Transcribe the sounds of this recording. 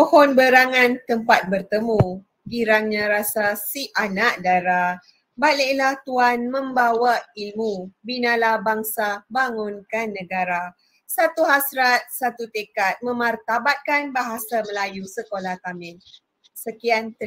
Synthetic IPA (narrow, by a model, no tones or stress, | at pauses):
ohɔnbəɾaŋãnt̪əmpat̪̚bərt̪əmu | ɡiɾaŋɲãɾasasiʔanaʔdaɾa | baleʔlaht̪uanmə̃mbawailmubinãlabaŋsabaŋʊnkanːə̃ɡaɾa | sat̪uɦasɾat̪̚sat̪ut̪ekat̪̚mə̃mart̪abat̪̚kanbaɦasaməlajusəkolaht̪amɛn | səkiant̪ə